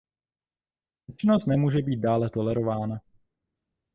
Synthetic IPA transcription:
jɛt͡ʃɪnost̪nɛmuːʒɛbiːt̪̚daːlɛt̪o̞lɛɾo̞vaːna

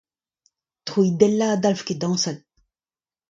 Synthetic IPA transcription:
t̪χuid̪ɛlːaːd̪alfked̪ɑ̃ːsal

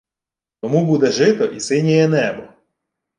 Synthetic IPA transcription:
t̪ɔmubud̪ɛʒɪt̪ɔʔisɪnʲɛjɛnɛbɔ

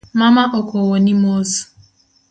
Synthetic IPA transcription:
mamaʔokowonimozu̥

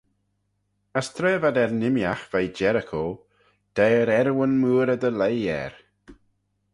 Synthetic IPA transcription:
əst̪ʰɾɛːvad̪ɛɾnɪmjaxv̥ajd͡ʒɛɾəkʰo | d̪̥ɛːɾɛɾwənmuːɾəd̪əlejɛ̰ɾ

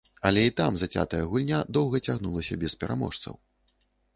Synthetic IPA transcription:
ɐlʲɛit̪amzat͡sʲa̰t̪ɐjɐɣulʲnʲad̪ɔwɣɐt͡sʲaɣnulˠɐsʲɐbʲɛspʲɛɾʔa̰mɔ̰ʂt̪sɐ̰w

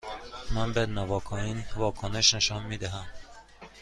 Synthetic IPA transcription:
mænbæd̪nævɒkʰɔinvɒːkʰoneʃneʃɒnmid̪æɦæm

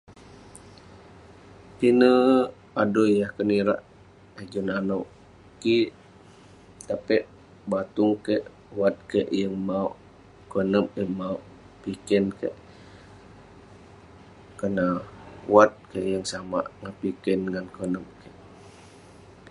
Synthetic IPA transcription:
pinə | adojahkəniɾa̰ʔ | ad͡ʒunanoʔ | kiʔ | t̪apɛʔ | bat̪ʊŋkeʔ | wat̪̚kəʔjəŋmaoʔ | kənəpjəŋmaoʔ | pikɛnkə̰ʔ | kənawat̪̚kəʔjəŋsama̰ʔŋapikənŋankənəm̚kəʔ

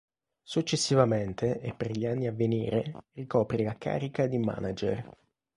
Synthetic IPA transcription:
sut͡ʃːesːivament̪eepːerʎianːiavːenḭːɾerikɔːpɾilaka̰ːɾikad̪ima̰nad͡ʒḛr

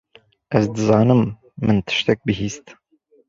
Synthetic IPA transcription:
ʔɛzd̪ɨzɑːnɨmː | ɨnt̪ʰɨ̥ʃt̪ɛk̚bɨɦiːst̪

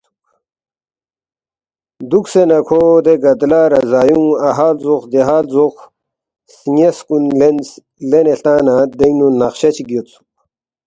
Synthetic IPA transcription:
d̪uksenɐkʰod̪eɡɐd̪laːɾɐzaːjũɐɦaːlzuxd̪eɦaːlzox | siŋeskunlen | leneɬt̪aːnad̪ɐinunɐxɕɐt͡ɕiɡit̪t͡su̥

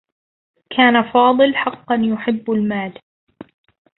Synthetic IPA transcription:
kʰaːnafɑːðˤɨlħɑqːɑnjʊħɪbːalmaːl

